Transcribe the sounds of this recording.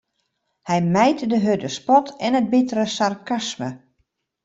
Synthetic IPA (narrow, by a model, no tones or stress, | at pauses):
hɛjmɛjtdəɦødəspɔtʰɛnət̚bɪtəɾəsarkasmə